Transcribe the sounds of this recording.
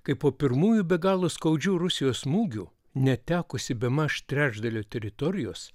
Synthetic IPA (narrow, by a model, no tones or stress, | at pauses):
kɐɪpoːpʲɪɾmuːjubʲɛɡɑːlˠoːskɐʊd͡ʒʲuːɾʊsʲɪjoːsmuːɡʲuː | nʲɛt̪ʲæːkʊsʲɪbʲɛmɐʃt̪ʲɾʲæːʒd̪ɐlʲoːt̪ʲɛɾʲɪt̪ɔɾʲɪjoːs